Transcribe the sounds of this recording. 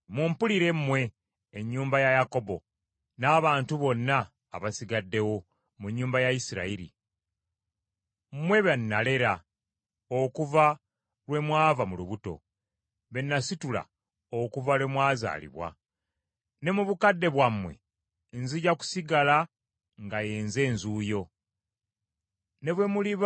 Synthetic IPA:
mumpuliɾe̞mmwe̞ː | ɲːuːmbajajako̞bo̞ | naːβaːntuβo̞nːa̰ː | βasiɡadːe̞wo̞ | muɲːuːmbajaisiɾa̰iɾḭ | mmwe̞βanːale̞ɾa | okuva | lwe̞mwaːvamuluβuto̞̰ | βe̞nːasitula̰ | okuvalwe̞mwaːza̰ːlḭβwa̰ | ne̞muβukadːe̞βwamwe̞̰ | nziɟaku̥siɡala | ŋɡajeːnze̞ːnzuːjo̞ | ne̞βwe̞muliβ

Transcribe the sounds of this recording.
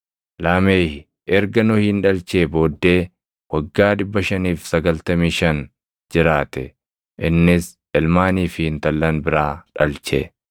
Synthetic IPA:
laːmeːhɪ | ʔɛɾɡɐnʊhɪnᶑɐlt͡ʃe̞ːbo̞ːd̪ːe̞ː | wɐɡːaːᶑɪbːɐʃɐniːfsɐɡɐlt̪ɐmiːʃɐn | d͡ʒɪɾaːt̪ɛ | ʔɪnːɪs | ɛlmaːniːfɪhɪnt̪ɐlːɐnbɪɾaːᶑɐlt͡ʃḛ

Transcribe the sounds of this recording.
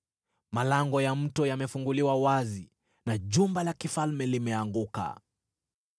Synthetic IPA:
malaŋɡɔjam̩tɔjamɛfuŋɡuliwawazi | naʄumbalakifalmɛlimɛaŋɡuka̰

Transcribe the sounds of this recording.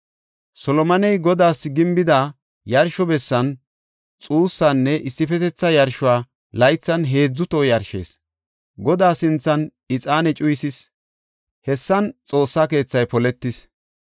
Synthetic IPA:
sɔlɔmɐnɛjɡɔd̪aːsɡɪmbɪd̪a | jɐɾʃɔbɛsːɐn | t͡sʼuːsːanːɛʔɪsːɪfɛt̪ɛt͡sːɐjɐɾʃʊaː | lɐjt͡sːɐnɦe̞ːd͡zːʊt̪oːjɐɾʃe̞̰ːs | ɡɔd̪aːsɪnt͡sːɐn | ɪt͡sʼaːnɛt͡ʃʼʊjsɪs | hɛsːɐnt͡sʼo̞ːsːake̞ːt͡sːɐjpɔlɛt̪ːɪs

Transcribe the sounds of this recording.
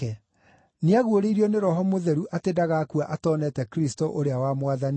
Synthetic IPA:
ɛ | neaɣwoɾeiɾiɔneɾɔɦɔmoðɛɾuʔatedaɣakuaʔatɔːnɛtɛkɾistoʔoɾeawamwaðan

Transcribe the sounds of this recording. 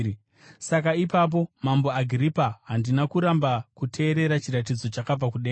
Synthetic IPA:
sakaipap̬o̞mamboaɡʱripaɦandinakuɾambakutʰe̞ːɾe̞ɾat͡ʃiɾat̬id͡zo̞t͡ʃakab͡vakuɗeː

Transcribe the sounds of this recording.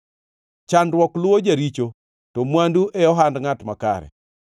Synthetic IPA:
t͡ʃandwɔklʊod͡ʒaɾit͡ʃo | tɔmwanduʔɛjɔɦandŋatmaka̰ɾɛ̰

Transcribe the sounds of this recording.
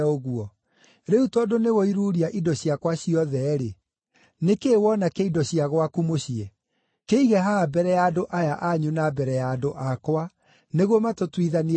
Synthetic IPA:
oɣuɔ | ɾeutɔdoneɣɔiɾuːɾiaʔidɔɕiakwaɕiɔðɛɾe | nekeːwɔnakeidɔɕiaɣwakumoɕiɛ | keiɣɛɦabɛɾɛjaːdoʔajaʔaɲunabɛɾɛjaːdoʔakwa | neɣwɔmatotwiðani

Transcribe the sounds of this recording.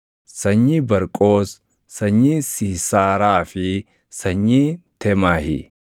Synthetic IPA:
sɐɲːibɐɾkʼo̞ːs | sɐɲːiːsɪːsaːɾaːfɪ | sɐɲːiːt̪ɛmaːhɪ̰

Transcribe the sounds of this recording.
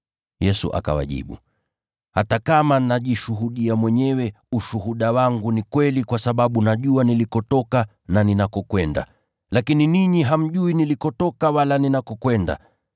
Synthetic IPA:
jɛsṵʔa̰ka̰wa̰ʄḭɓṵ | hatakamanaʄiʃuɦuɗiamwɛɲɛwɛ | uʃuɦuɗawaŋɡunikwɛlikwasaɓaɓunaʄuanilikɔtɔka | naninakɔkwɛnda̰ | lakininiɲiɦam̩ʄuinilikɔtɔkawalaninakɔkwɛnda̰

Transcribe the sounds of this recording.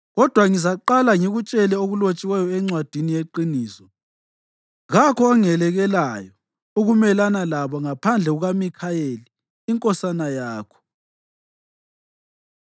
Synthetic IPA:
ɣɔd̥ʱwaŋizaǃalaŋiɣut͡ʃʼɛlɛoɣulot͡ʃʼiwɛjɔɛŋ͡ǀwad̥ʱinijeǃiniːsɔ | ɣakʰɔaŋɛlɛɣɛlajɔ | uɣumɛlanalaβɔŋapʰand͡ɮʱɛɣuɣamikʰajeliː | ŋkʼɔsanajaːkʰɔ̥

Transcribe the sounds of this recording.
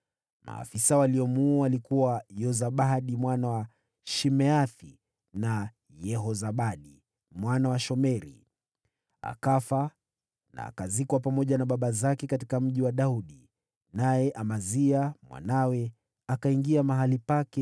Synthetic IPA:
ma̰ːfisawaliɔmuːalikuwajɔzaɓaɗimwanawa | ʃimɛaθi | na | jɛɦɔzaɓaɗi | mwanawaʃɔmɛɾḭ | a̰kafa | na̰ːkazikwapamɔʄanaɓaɓazakɛkatikam̩ʄiwaɗauɗi | najɛʔamaziamwa̰nawɛ | akaiŋɡiamaɦalipakɛ

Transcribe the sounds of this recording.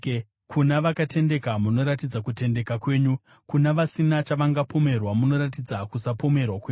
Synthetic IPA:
kʰunaʋakatʰe̞nde̞kamuno̞ɾatid͡zakute̞nde̞kakwe̞ːɲu | kunaʋasinat͡ʃaʋaŋɡapo̞me̞rwamuno̞ɾat̬id͡zakusapo̞me̞rwakweːɲu

